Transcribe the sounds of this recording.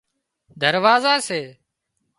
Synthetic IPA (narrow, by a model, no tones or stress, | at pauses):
d̪ʱəɾʋaːzaːseː